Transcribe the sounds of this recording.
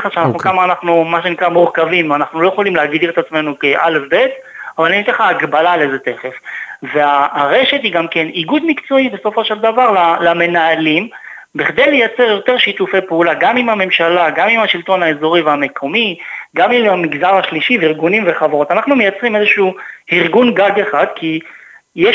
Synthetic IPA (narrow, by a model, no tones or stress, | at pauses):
χaʃeana̰χnukamaːnaχnumaʃenikʁamuʁkavimanaχnulo̞je̞χolimlehaɡd̪iʁet̪at͡sme̞nukeʔale̞fbe̞t̪ | avalaninit̪eχaːɡbalalezet̪e̞χe̞fveaʁe̞ʃe̞t̪hiɡamke̞niɡud̪mikt͡so̞ibe̞so̞fo̞ʃeld̪avaʁlalame̞naalim | biχd̪ejle̞jat͡se̞ʁjo̞t̪e̞ʁʃit̪ufejpeulaɡamimame̞mʃalaɡamimaʃilt̪o̞naezo̞ʁiveame̞kʰo̞miɡamimamiɡzaʁhaʃliʃiviʁɡunimve̞χavaʁo̞t̪anaχnume̞jat͡sʁimezeʃuːiʁɡunɡaɡeχad̪kʰije